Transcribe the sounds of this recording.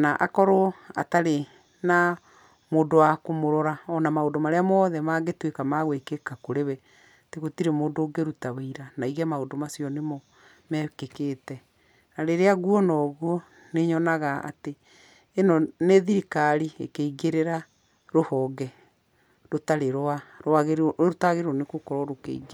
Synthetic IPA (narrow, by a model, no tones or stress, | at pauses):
naʔa̰kɔɾoa̰taɾe | na | moːdowakomoɾɔɾaɔnamaodomaɾeamɔðɛmaɣetwekamaɣwekekakoɾewɛ | teɣotiɾemoːndoːɡeɾutaweiɾanaiɣɛmaodomasijɔnemɔ | mɛkekeːtɛ | naɾeɾeaɣuɔnɔɣuɔ | neɲɔnaɣaa̰teː | nɔneðiɾikaɾiekeiɡeɾeɾa | ɾohɔɡɛ | ɾotaɾeɾaɾaɣeɾotaɣeɾeɾoɔnekokɔɾɔɾokḛiɡe